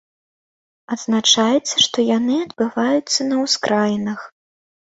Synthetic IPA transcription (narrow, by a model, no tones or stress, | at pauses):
ɐd̪znat͡ʂajɛt̪sːɐʂt̪ɔjanɨɐd̪bɨvajut̪sːɐnɐwskɾʔajnɐx